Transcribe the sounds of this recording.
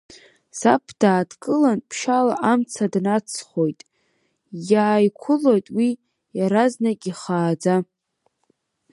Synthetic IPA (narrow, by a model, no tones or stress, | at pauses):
sapʰd̥aːdkʼɨlanpʰʃalaʔamt͡sʰadnat͡sʰχo̞jtʼ | jaːjkʷʰʊlo̞jtʼwi | jaɾaznakʲʼiχaːd͡za